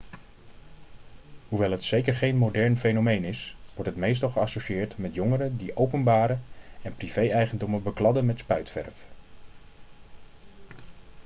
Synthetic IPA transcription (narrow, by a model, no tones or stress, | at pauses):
ɦuʋɛlˠɦətsejkəɹχejnmowdɛɹnfejnomejnɪsʋɔɹtɦətmejs̬tɑlˠχəɑsoʃɪːɹtmɛtjɔŋəɾədiʔowpənbaːɾəɛnpriv̥ejɛjχəndɔməbəklɑdənmɛtspœɥtfɛ̰ɹf